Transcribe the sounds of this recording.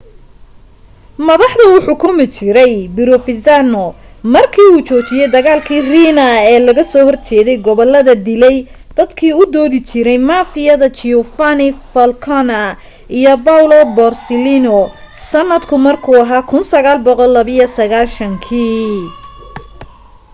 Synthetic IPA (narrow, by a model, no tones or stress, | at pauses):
mɐðɑħðɐuːħʊkʰʊmɪt͡ʃɪɾɛjbɪɾɔfɪsanɔ | mɐrkʰiːuːt͡ʃɔːt͡ʃɪjɛjd̪ɐɣaːlkʰiːriːnɐɛːlɐɣɐsɔːhɔrt͡ʃɛːðɛjɡɔβɔlːɐðɐd̪ɪlɛj | d̪̥ɐd̪kʰiːʊd̪ɔːðɪt͡ʃɪɾɛjmaːfɪjɐðɐt͡ʃɪʊfanɪfɐlkʰɔnɐ | ijɔbawlɔbɔrsɪlinɔ | sɐnːɐd̪kʰʊmɐrkʰuːɐɦaːkʰʊnsɐɣaːlbɔqɔlːɐβɪjɐsɐɣaːlʃɐŋkʰiː